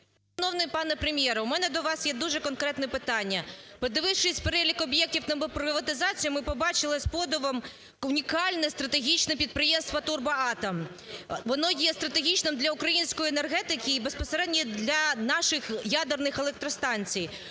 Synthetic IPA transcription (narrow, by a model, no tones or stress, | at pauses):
ʃɐnɔwnɪjpɑnɛpɾemʲjɛɾɐumɛnɛd̪ɔʋɑsjɛd̪uʒɛkɔnkɾɛt̪nɛpɪt̪ɑnʲːɐpɔd̪ɪʋɪwʂɪsʲpeɾɛlʲikɔbjɛk̚tʲiwt̪ɐmbɪpɾɪʋɐt̪ɪzɑt͡sʲijʊmɪpɔbɑt͡ʃɪlˠɪspɔd̪ɔʋɐm | ʊnʲikɑlʲnɛst̪ɾɐt̪eɦʲit͡ʃnɛpʲid̪̚pɾɪjɛmst̪ʋɐt̪urbɐɑt̪ɐm | ʋɔnɔjɛst̪ɾɐt̪eɦʲit͡ʃnɪmd̪lʲɐʊkɾɐjinʲsʲkɔjenerɦɛt̪ɪkɪːbespɔseɾɛdʲnʲid̪lʲɐnɑʃɪxjad̪ernɪxelˠɛk̚t̪ɾɔst̪ɑnʲt͡sʲij